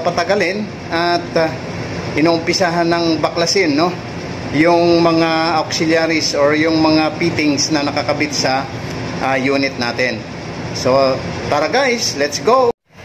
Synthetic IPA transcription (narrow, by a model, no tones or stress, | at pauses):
pɐt̪ɐɡɐlɪn | ɐt̪ | ɪnoːʔʊmpɪsaːɦɐnːɐŋbɐklɐsɪnːo̞ | jʊŋmɐŋaaksɪljaɾisoɹjʊŋmɐŋapit̪ɪŋsnɐnɐkɐkɐbɪt̪̚sɐ | ʔajuːnɪt̪̚naːt̪ɛn | so̞paɾɐɡajslɛt̪sɡow